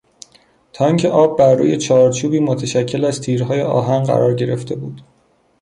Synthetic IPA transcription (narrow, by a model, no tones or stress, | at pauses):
t̪ʰɒːiŋcʲʰeʔɒːbːæɾːṵːje̞t͡ʃʰɒːɾt͡ʃʰuːbiːmot̪ʰæʃæcʰːe̞læzt̪ʰiːɾɦɒːjeʔɒ̰ːɦænɢæ̰ɾɒːɾɟe̞ɾe̞ft̪ʰe̞buːd̪̥